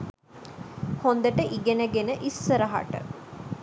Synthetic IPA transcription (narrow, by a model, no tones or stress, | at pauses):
hond̪əʈəʔiɡenəɡenəʔisːəɾɐɦa̰ʈə̰